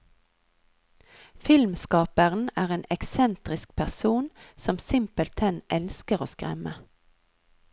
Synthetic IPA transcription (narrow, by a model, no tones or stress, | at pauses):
fɪlmskɑːpəʁn̩æːʁeːnɛksɛnt̪ʁɪsk̚pʰæʁsuːnsɔmsɪmpəlt̪ʰɛnʔɛlskəʁoːskʁɛ̰mə